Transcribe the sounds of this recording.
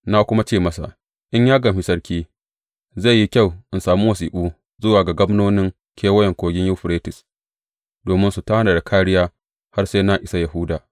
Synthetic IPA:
na˦kʷʊ˦ma˦t͡ʃeː˦˨mɐ˦sa̰˨ʔ | ʔɪ˦ɲjaː˦ɡɐ˨ɸɪ˦sɐ˦rkʲiː˦ | za˦˨jːi˦kʲa˦˨wʔɪ˨nsaː˨mu˦wɐ˨s̬iː˨ɓuː˦ | zʊ˦waː˨ɡa˨ɡɐ˦mnoː˦nɪ˦ŋ | kʲʰeː˦wɐ˦jɛ˨ŋkʷoː˨ɡʲɪ˦ɲjʊ˦ɸɾeː˦tɪ˨s | doː˨mɪ˦nsu˨ta˦naː˨da˨kʰaː˦ɽɪ˦jaː˦ | ha˦rse˦na˦ʔɪ˨˦sa˦jɐ˨ɦʊ˦daː˨

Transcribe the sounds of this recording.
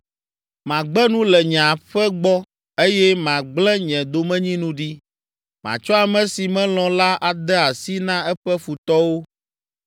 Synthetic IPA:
mã˨ɡ͡bɛ˦nũ˦lɛ˨ɲ̃˨ã˨ɸɛ˦ɡ͡bɔ˦ | e˦jɛ˦mã˨ɡ͡blɛ̃˦ɲɛ̃˨d̪o˨mɛ̃˦ɲĩ˦nũ˦ɖi˦ | mã̰˨t͡ʃɔ˦a˨mɛ̃˨˦si˨mɛ̃˦l̃ɔ̃˨la˦ʔa˨d̪ɛ˦a˨si˦nã˦ɛ˦ɸɛ˦fu˨t̪ɔ˦wo˦

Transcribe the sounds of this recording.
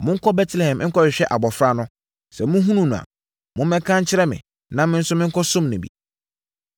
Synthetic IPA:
mʊ̃˦ŋ̩˦kʰɔ˦bɛ˦tʰlɛ˨hɛ̃˨m̃˦ŋ̩˦kʰɔ˦ɕɪ˨ɕᶣɛ˦ʔa˨bɔ˨fɾa˦nʊ̃˦ | sɛ˨mʊ̃˦ɦũ˦nũ˦nũ˨a̰˨ | mʊ̃˦mɛ̃˦kʰã˦ɲ̩˦t͡ɕʰɪ˦ɾɛ˦mɪ̰̃˨ | nã˦mɪ̃˦n̩˦sʊ˦mɪ̃˦ŋ̩˦kʰɔ˦sʊ̃˦mnʊ̃˨bḭ˨

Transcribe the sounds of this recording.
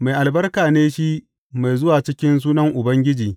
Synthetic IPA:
ma˨jʔa˨lbɐ˦rkaː˨neː˦ʃi˦ | ma˨jzʊ˦waː˨t͡ʃɪ˦kʲɪ˦ns̬uː˦nɐ˦ŋʔʊ˨bɐ˦ŋɡʲɪ˦d͡ʒiː˨

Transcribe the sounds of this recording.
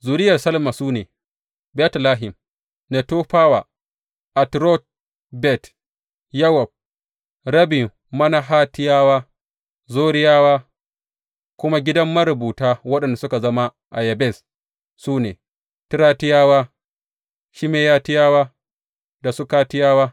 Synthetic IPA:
zuː˨ɾɪ˦jɐ˨rsɐ˦lma˨suː˦neː˨ | bɛ˦tlaː˦ɦɪ˨m | ne˨to˦ɸaː˦wa˨ | ʔa˨tɾɔ˦t̚ | bɛ˦˨t | jɐ˦wɔ˨b̚ | ɾɐ˦bɪ˨ | mɐ˦na˦ɦaː˦tɪ˦jaː˦waː˦ | zoː˦ɾɪ˦jaː˦waː˦ | kʷʊ˦ma˦ɡʲɪ˦dɐ˦mːɐ˦ɾʊ˨buː˨taː˦wɐ˦ɗɐ˨nda˨sʊ˦ka˨zɐ˦ma˦ | ʔa̰˨jɐ˨bɛ˦˨s | suː˦nḛː˨ | tɪ˦ɾaː˦tɪ˦jaː˦waː˦ | ʃi˦meː˦jaː˦tɪ˦jaː˦waː˦ | da˨su˦kaː˦tɪ˦jaː˦waː˦

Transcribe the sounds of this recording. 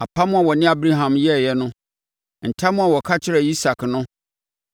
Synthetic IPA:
a˨pʰa˦mʊ̃˦a˨wɔ˨nɪ̃˦a˦bɾi˦ɦã˨mjɛ˦˨jɛ˦nʊ̃˦ | n̩˨tʰa˦mʊ̃˦a˨wɔ˨kʰa˦t͡ɕʰɪ˦ɾɛ˨i˦sa˨kʰnʊ̃˦

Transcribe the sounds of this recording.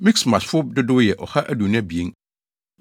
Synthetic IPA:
mi˦ksmã˨sfʊ˦b̚dɪ˦dʊ˦jɛ˨ʔɔ˨ha˦ʔæ˦du˨nã˦bi˨e˦n

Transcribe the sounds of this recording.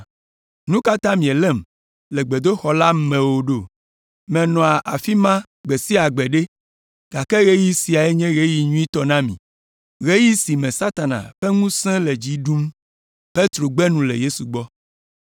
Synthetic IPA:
nũ˦ka˦t̪ã˦mĩ˨ɛ˨lɛ˦˨m | lɛ˨ɡ͡be˨d̪o˦xɔ˨la˦mɛ̃˨wo˨ɖo˦˨ | mɛ̃˨nɔ̃˨a˨ʔa˨fi˦mã˦ | ɡ͡be˨si˦a˨ɡ͡bɛ˨ɖe˦ | ɡ̥a˨kɛ˦ɣe˦ji˦si˨a˨e˦ɲɛ̃˦ɣe˦ji˨ɲũ˦i˦t̪ɔ˨nã˦mḭ̃˨ | ɣe˦ji˦si˨mɛ̃˨sa˦t̪a˨nã̰˨ɸɛ˦ŋũ˦sɛ̃˦lɛ˨d͡ʑi˦ɖu˦m | pe˦t̪ɾo˨ɡ͡bɛ˦nũ˦lḛ˨je˦su˨ɡ͡bɔ˦

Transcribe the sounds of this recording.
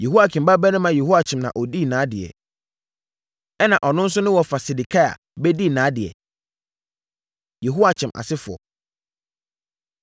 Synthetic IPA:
je˨ɦu˦a˦kʰɪ̃˨m˨ba˦bɛ˦nʊ̃˦mã˨je˨hu˦a˨t͡ɕʰɪ̃˨mnã̰˨ʔɔ˨di˦˨nãː˨˦dɪ˨ɛ̰˨ | ɛ˦nã˨ʔɔ˨nʊ̃˦n̩˦sʊ˦nʊ̃˦wɔ˨fa˨si˨di˨kʰa˦˨a̰˨ | bɛ˦di˦nãː˨˦dɪ˨ɛ̰˨ | je˨ɦu˦a˨t͡ɕʰɪ̃˨mʔa̰˨sɪ˦fʊ˨ɔ̰˨

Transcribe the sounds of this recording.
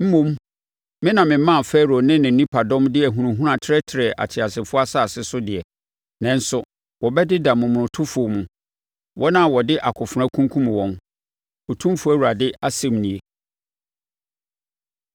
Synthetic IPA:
m̩˦mũ˦m | mɪ̃˦nã˨mɪ̃˨˦mã˦˨fɛ˦ɾo˨nɪ̃˦nɪ̃˨nĩ˦pʰa˨dɔ̃˦mdɪ˦ɛ˨ɦũ˨ɾũ˨ɦũ˦ã˨tʰɪ˦ɾɛ˦tʰɪ˨ɾɛ˨ʔa̰˨t͡ɕʰɪ˨a˨sɪ˨fʊ˦a˦sa˦˨sɪ˦sʊ˦dɪ˨ɛ˨ | nɛ̃˨n̩˦sʊ˨ | wɔ˨bɛ˦dɪ˦da˨mʊ̃˨mʊ̃˨ʊ̃˨tʰʊ˦fʊ˨o˨mʊ̃˨ | wʔɔ˦nã˦˨wɔ˨dɪ˦ʔa˨kʰʊ˨fʊ˨ɾã˦kʰũ˦ŋ˦kʰũ˦m̃˨wɔ̃˦n | ɔ˨tʰũ˦m˦fʊ˨˦æ˦˨wu˨ɾa˨dɪ˦a˦sɛ̃˦˨mnĩ˨e˨

